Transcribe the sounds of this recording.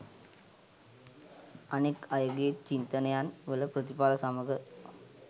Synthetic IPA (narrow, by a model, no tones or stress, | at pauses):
ɐneːkajoɡet͡ʃint̪ənɐjaːnʋɐlɐpɾɐt̪ipaːlɐsaːmɐɡə